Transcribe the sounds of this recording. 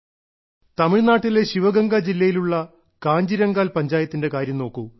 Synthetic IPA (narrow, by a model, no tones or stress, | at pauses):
t̪ɐmiɻnaːʈːileɕiʋɐɡɐŋɡad͡ʑilːɐjiluɭːɐ | kaːɲd͡ʑiɾɐŋɡaːlpɐɲd͡ʑaːjɐt̪ːinde̞kaːɾjɐmno̞ːkːu